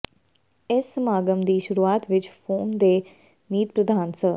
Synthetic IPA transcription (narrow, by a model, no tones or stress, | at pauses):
esəmaːɡəmd̪iːʃʊɾuaːt̪ʋɪt͡ʃpʰoːmd̪eː | niːt̪pɾəd̪ʱaːnsə